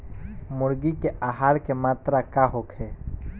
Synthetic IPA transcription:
mʊɾɡikeaːɦaːɾkemaːt̪ɾakaɦokʰeː

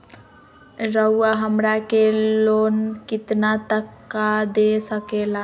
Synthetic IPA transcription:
ɾəuaɦəmɾakelonkit̪nat̪əkːad̪esəkela

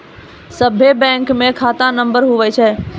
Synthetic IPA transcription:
səbʱebɛ̃ŋkmẽkʰat̪anəmbəɾɦuʋɛt͡ʃʰɛ

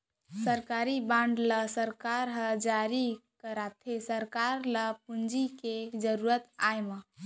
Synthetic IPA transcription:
səɾkaɾibãɳɖləsəɾkaɾɦəd͡ʒaɾikəɾat̪ʰesəɾkaɾləp̚und͡ʒiked͡ʒəɾuɾət̪ajmə

